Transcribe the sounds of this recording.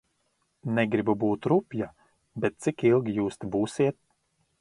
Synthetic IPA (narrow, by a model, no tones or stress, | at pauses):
nɛɡɾibubuːt̪ɾupʲja | bɛt̪̚t̪sikilˠɡʲijuːst̪ibuːsiɛt̪̚